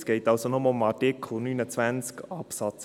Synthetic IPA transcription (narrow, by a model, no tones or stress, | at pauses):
sɡ̥eɪtɑlsonɔməomɑtɪkʰl̩ˠnynət͡svænt͡skɑpsɑt͡s